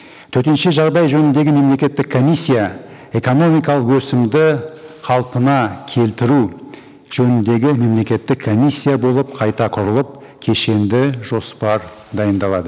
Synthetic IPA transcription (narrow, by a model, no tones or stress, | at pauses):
t̪ʰɵɾt̪enʃɪʒɑʁd̪ɑjʒɵnɪnd̪e̞ɡʲɪme̞mle̞kʲe̞t̪ːɪkʰːo̞mʲisʲːija | eko̞no̞mijkɑlˠəqwɵsɪmd̪ɪqʰɑlˠpənɑkʲʰe̞lt̪ɪɾu | ʒ̥ɵnɪnd̪e̞ɡʲɪme̞mle̞kʲe̞t̪ːɪkʰːo̞misʲːijabo̞lˠəp̚qʰɑjt̪ɑqʰʊɾəlˠəp̚ | kʲʰe̞ʃe̞nd̪ɪʒo̞spɑɾ | d̪ɑjənd̪ɑlˠɑd̪ə